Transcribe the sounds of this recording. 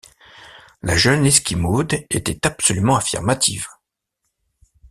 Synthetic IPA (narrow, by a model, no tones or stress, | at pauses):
laʒœnɛskʲimod̪et̪ɛt̪apsɔlymɑ̃afḭʁmat̪ʰḭv